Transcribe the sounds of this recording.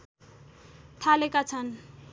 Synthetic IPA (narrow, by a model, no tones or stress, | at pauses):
t̪ʰalekat͡sʰan